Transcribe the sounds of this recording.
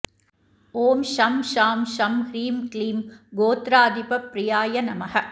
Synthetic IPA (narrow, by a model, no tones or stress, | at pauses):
oːmʃɐmʃaːmʃɐmhɾiːmkliːmɡoːt̪ɾaːd̪ɪpɐpɾɪjaːjɐnɐmɐhɐ